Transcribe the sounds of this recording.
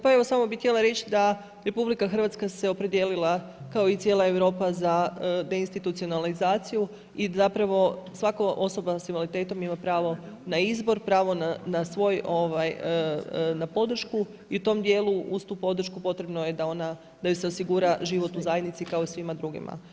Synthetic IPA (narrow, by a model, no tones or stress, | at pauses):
paeʋo̞samo̞bixt̪ʲje̞laɾe̞t͡ɕid̪a | ɾe̞publikaxr̩ʋat̪skase̞o̞pɾe̞d̪je̞lilˠa | kao̞it̪sjeːlˠae̞ʋɾo̞ːpazad̪e̞inst̪it̪ut̪sio̞nalizaːt̪siju | izapɾaʋo̞sʋakoʔo̞so̞basimolit̪e̞t̪o̞mimapɾaːʋo̞ | naizbo̞ɾpɾaːʋo̞nanasʋo̞jo̞ʋajənapo̞d̪r̩ʃku | iut̪o̞md̪je̞ːluust̪upo̞d̪r̩ʃkupo̞t̪ɾe̞bno̞je̞d̪ao̞na | d̪ajuse̞osiɡuɾaʒiʋo̞t̪uzajed̪nit̪sikaoisʋimad̪ɾuɡḭma̰